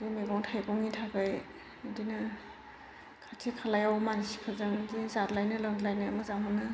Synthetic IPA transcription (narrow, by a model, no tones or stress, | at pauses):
dimeɡɔŋtʰajɡɔŋitʰakaj | dina | kʰatʰikʰalajawmanisi̥kʰazɯŋzizatlajnɯlɯŋdlajnɯːmɯzaŋɦunɯ